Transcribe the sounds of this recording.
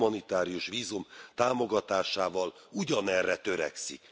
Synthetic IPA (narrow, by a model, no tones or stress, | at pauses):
mɒnit̪aːɾijuʃʋiːzumt̪aːmo̞ɡɒt̪aːʃaːvɒluɟɒnɛrːɛt̪ø̞ɾɛ̰ksḭk